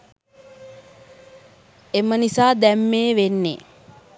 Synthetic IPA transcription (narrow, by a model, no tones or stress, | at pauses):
emənisaːd̪æmːeːʋenːḛ